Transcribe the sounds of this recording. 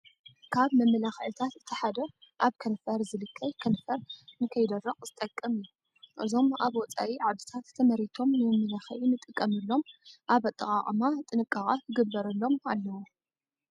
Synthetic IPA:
kʰaβmɐmːɨlaxʕɨt̪ʰat̪zɨt̪ʰːɐħad̪ɐʔaβkʰɐnfɐɾzɨlɨkʰːɐjkʰɐnfɐɾnɨkʰɐjd̪ɐrːɐχʼzɨt̪ʼɐkʼːɐmɨju | ʔɨ̰zo̞maβwɔt͡sʼa̰wiʕad̪ɨt̪ʰat̪ːʰɐmɐɾit̪ʰo̞mnɨmɨmːɐlaxɐʔinɨt̪ʼɨkʼːɐmɨlːo̞mʔaβɐt̪ʼɐkʼaχʼmat̪ʼɨnɨkʼːaχʼakʰɨɡɨbːɐɾɨlːo̞malːɐwo

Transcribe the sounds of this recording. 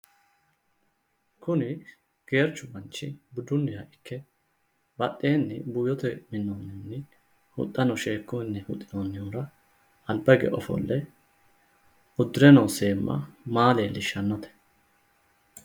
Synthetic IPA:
kʊnɪ | ɡ̥e̞ːɾt͡ʃːʊbɐnt͡ʃːɪbʊd̪ʊnːɪjɐʔɪkːɛ | bɐt̪ʼːeːnːɪbuːjɔt̪ɛmɪnːonːɪnːɪ | hʊ̰t̪ʼːɐnɔʃe̞ːkːʊɪnːɛhʊ̰t̪ʼːɪnonːɪjuːɾɐ | ɐlbɐɡɛ̰ʔɔfɔ̰lːɛ | ʊd̪ːɪɾɛnoːseːmːʔɐ̰maːleːlːɪʃɐnːɔt̪ɛ̥

